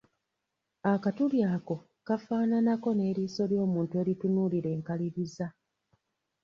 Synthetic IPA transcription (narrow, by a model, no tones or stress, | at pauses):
akatuljaːko̞ | kafaːnanako̞ne̞ːɾiːso̞ljo̞ːmuːntue̞ːɾitunuːliɾe̞ːŋkaliɾiza